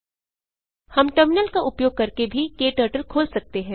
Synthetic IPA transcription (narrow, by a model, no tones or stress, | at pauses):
hɐmʈəɾmɪnəlkaʔʊpjoːɡ̚kɐɾkebʱikeːʈəːɾʈəlkʰoːlsɐk̚t̪eɦɛ̃ː